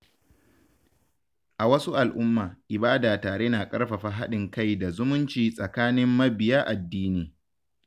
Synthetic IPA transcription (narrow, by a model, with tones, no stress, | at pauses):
ʔa˨wɐ˦su˦ʔa˨lʔʊ˦mːaː˨ʔɪ˨baː˦daː˨taː˨ɽeː˦naː˨kʼɐ˦rɸa˨ɸa˨ɦa˦ɗɪ˨ŋka˦˨jda˨zʊ˦mʊ˦nt͡ʃiː˨sʼɐ˨kaː˦nɪ˦mːɐ˦bɪ˨jaː˦ʔa˨dːiː˦niː˨